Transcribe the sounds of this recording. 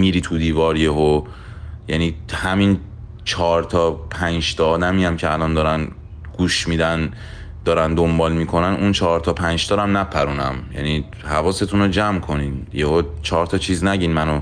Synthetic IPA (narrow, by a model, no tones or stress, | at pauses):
miːɾiːt̪ʰud̪iːvɒːɾjeɦo | jæniːhæmin | t͡ʃʰɒːɾt̪ʰɒːpʰænd͡ʒt̪ɒːd̪æmiːæmcʰeælɒnd̪ɒːɾæn | ɡ̥uːʃmiːd̪æn | d̪̥ɒːɾænd̪ombɒːlmiːkʰo̞nænunt͡ʃʰɒːɾt̪ʰɒːpʰænd͡ʒt̪ʰɒːɾæmnæpʰæɾuːnæmjæ̰ni | hævɒːse̞t̪ʰunod͡ʒæmkʰo̞ninjehot͡ʃʰɒːɾt̪ʰɒːt͡ʃʰiːznæɟiːnmæno